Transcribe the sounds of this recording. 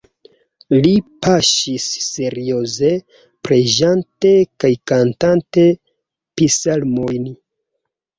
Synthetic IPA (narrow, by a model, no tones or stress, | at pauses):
lipaʃisːe̞ɾio̞ze | pɾeʒante̞kajkantante̞ | pisalmojn